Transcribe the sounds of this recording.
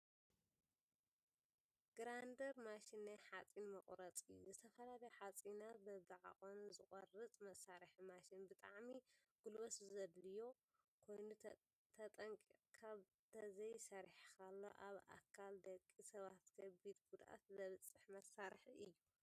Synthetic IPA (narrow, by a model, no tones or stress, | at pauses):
ɡ̥ɾand̪ɐɾmaʃinːajħat͡sʼinmɐχʼɾɐt͡sʼɨjːṵzɨt̪ʰɐfɐlalɐjħat͡sʼinat̪bɐβɨʕa̰konuzɨχʼɔrɨt͡sʼmɐsaɾħmaʃinbɨt̪ʼaʕmi | ɡ̥ulβɐszɐd̪lɨjo̞ | kʰo̞jnu | t̪ʰɐt̪ʼɐŋkʼikʰaβ | t̪ʰɐzɐjsɐɾħkʰalːo̰ʔaβa̰kʰald̪ɐkʼːisɐβat̪kʰɐbid̪bud̪ʔa̰t̪zɐβɨt͡sʼːɨħmɐsaɾħiʔɨjːu